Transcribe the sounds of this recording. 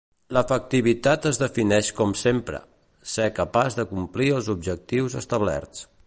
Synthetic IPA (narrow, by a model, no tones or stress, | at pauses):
ləfək̚t̪iβ̞it̪at̪əzðəfinɛʃkɔmsempɾə̰ | sɛkəpazðəkumpliəlˠzubʒək̚t̪iwzəst̪əβlɛ̰rt͡s